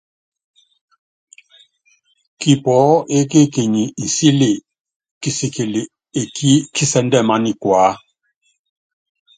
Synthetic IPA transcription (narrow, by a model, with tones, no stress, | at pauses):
ki˨pɔ˨˦e˦k̬e˦ke˨ɲi˨n̩˨si˦le˨ | ki˦si˨ke˨l | e˨ki˦kʰi˦sɛ˦ndɛ˦˨ma˦ni˨kwaː˨˦